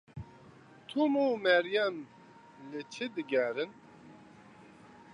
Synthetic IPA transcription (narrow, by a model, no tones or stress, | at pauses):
t̪ʰumumɛɾjɛm | lɨt͡ʃʰɨd̪ɨɡɛɾɨn